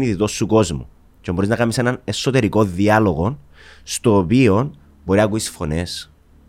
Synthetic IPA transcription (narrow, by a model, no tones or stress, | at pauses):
niðit̪o̞suko̞zmṵ | cemboɾiznɐkɐmisenɐne̞sot̪e̞ɾiko̞ðiɐlo̞ɣo̞n | st̪oːpio̞n | bo̞ɾinɐkuisfo̞ne̞s